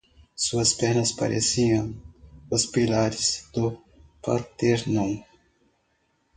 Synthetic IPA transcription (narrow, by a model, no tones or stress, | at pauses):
suɐspɛɾnɐspa̰ɾʔḛsiɐ̃ŋ̃ʊspilaɾɪzd̪̥ʊ | paɾt̪eɾnõw̃